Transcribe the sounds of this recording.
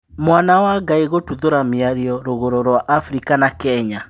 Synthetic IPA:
mwanawaɡaiɣotuðoɾamiaɾiɔɾoɣoɾoɾwaʔafɾikanakɛɲa

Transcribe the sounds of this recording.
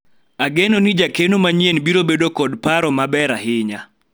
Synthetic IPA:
aɡenonid͡ʒakenomaɲjenbiɾobedokɔdpaɾɔmabɛɾaɦɪɲa

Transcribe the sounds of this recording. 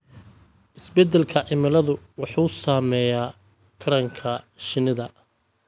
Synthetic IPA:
ʔɪsbɛd̪ɛlkʰɐʕɪmɪlɐðʊ | wɑħuːsaːmɛːjaː | t̪ʰɐɾɐŋkʰɐʃɪnɪðɐ

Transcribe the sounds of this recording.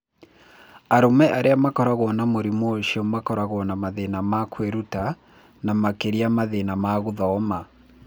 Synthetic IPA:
aɾomɛʔaɾʔeamakɔɾaɣwɔnamoɾimɔʃiɔmakɔɾaɣwɔnamaðenamakʰweɾuta | namakeɾiamaðenamaɣuðɔːma

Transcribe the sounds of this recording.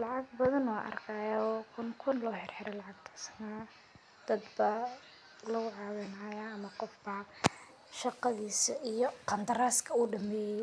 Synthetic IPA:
lɑʕɑɡbɐðɐnwaːʔɐ̰rkʰaːjaɔːkʰʊnkʰʊnlɔːħɪrħɪɾɛlɑʕɑɡt̪ʰɐ̥sɐ̥naː | d̪̥ɐd̪bɐ | lɐɣʊʕɑːwɪnaːjaːɐmɐqɔfbɐ | ʃɑqɑðiːsɐʔijɔqɑnd̪ɐɾaːskʰɐuːɖɐmɛːjɛ

